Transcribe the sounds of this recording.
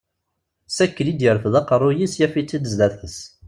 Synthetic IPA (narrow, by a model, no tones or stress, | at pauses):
sækːəlid̪jəɾfðɑqrˤːʊjisjæfit͡sːid̪əzlæθəs